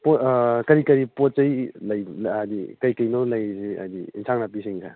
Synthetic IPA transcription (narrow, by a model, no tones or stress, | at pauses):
pokɐɾikɐɾipɔt̚t͡ʃɐjlɐjdikɐjkɐjnɔlɐjzia̰diinsʰaŋnapisiŋkʰa̰